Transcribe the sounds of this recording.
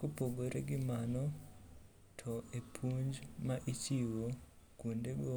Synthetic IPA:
kopoɡoɾeɡɪmanɔ | tʰɔʔepʰuɲd͡ʒmaʔit͡ʃiwokundeɡo

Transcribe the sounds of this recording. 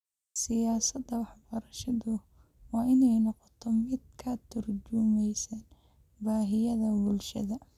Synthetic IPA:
sɪjaːsɐd̪ɐwɑħbɐɾɐʃɐðʊ | wɑːʔɪnɛjnɔqɔt̪ʰɔmɪd̪̚kʰɐt̪ʰʊrd͡ʒʊmɛjsɐːn | baːɦɪjɐðɐbʊlʃɐ̰ðɐ

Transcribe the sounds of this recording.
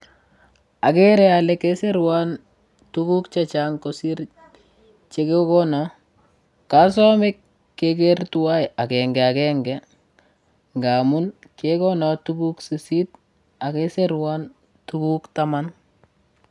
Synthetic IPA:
akeɾɛalɛkeseɾwan | tukukt͡ʃat͡ʃaŋkosiɾ | t͡ʃekekɔnɔ | kas̬ɔmɪkː | ek̬ertuwajakɛŋɡɛakɛŋɡɛ | ŋɡaːmunkekɔnɔtukuksisit̚ | akeseɾwan | tukuktaman

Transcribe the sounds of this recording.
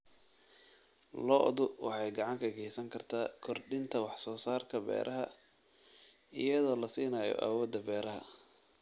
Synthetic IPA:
lɔʔðʊwʔɑ̰ħɑjɡɑʕɑŋkʰɐɡɛjsɐŋkʰɐrt̪ʰaːkʰɔrɖɪnt̪ʰɐwɑħsɔːsaːrkʰɐbɛ̰ːɾʔɐɦɐ | ɪjɐðɔːlɐsiːnɐːjɔ̰ʔa̰wɔːd̪ːɐbɛːɾɐɦɐ̰

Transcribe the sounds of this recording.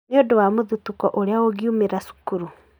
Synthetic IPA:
neodowamoðutukɔʔoɾeaoɡiumeɾasu̥kuɾu

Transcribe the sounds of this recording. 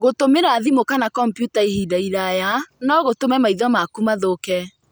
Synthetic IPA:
ɣotomeɾaðimokanakɔmpjutaehidaiɾajanɔɣotomɛmaiðɔmakumaðokɛ

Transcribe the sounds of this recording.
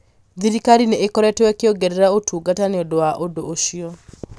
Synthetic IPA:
d̪iɾikaɾinɛekɔɾɛtɔwɛkeɔɡɛɾeɾaotʰuɡataneɔdoaʔodoʔoʃiɔ

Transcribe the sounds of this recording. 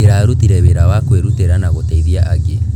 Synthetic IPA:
eɾaɾutiɾɛβeɾawakweɾuteɾanaɣotɛiðiaʔaɣe

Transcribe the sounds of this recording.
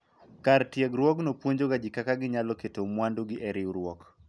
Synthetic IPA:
kartjɛɡɾwɔknopwoɲd͡ʒoɡad͡ʒɪkakaɡɪɲalɔketomwanduɡɪʔɛɾɪuɾwɔk

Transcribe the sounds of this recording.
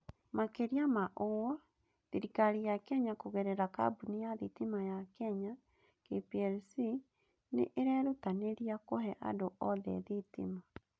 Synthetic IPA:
makeɾiamaʔowɔ | ðiɾikaɾijakɛɲakoɣɛɾɛɾaka̰bunejaðitimajakɛɲa | kepiɛlsi | nḛʔeɾɛɾotaneɾiakoɦɛʔa̰doʔɔðɛ̰ðitḭma

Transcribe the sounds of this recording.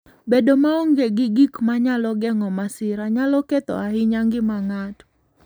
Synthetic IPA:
bedomaoŋɡeɡɪɡikmaɲalɔɡɛŋɔmasɪɾaɲalɔket̪ɔ̰ahɪɲaŋɡɪmaŋat

